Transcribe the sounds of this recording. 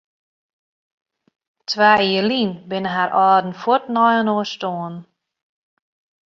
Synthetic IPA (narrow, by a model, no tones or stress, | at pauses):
tʰʋaːiːəlinbɪnəɦaɾʔɔːdn̩fɔtnɔjənoːstoːən